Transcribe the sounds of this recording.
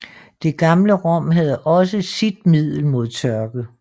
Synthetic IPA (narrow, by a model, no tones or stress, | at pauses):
d̥e̝ɡ̥ɑ̈mləʁɒ̽m̰ɦæð̞ˠɒ̽səsid̥̚mið̰ˠl̩mo̝ð̞̰ˠt͡sʰɶɐɡ̥ə